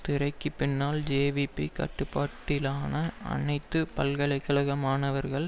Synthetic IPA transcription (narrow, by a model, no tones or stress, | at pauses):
t̪ɪɾɐɪkːɯpɪnːaːld͡ʒeːʋipːḭkɐ̰ʈːɯpːaːʈːɪlaːnɐɐ̰nɐɪt̪ːɯpɐlɣɐlɐɪkːɐɭɐɣɐmaːnɐʋɐɾɣɐɭ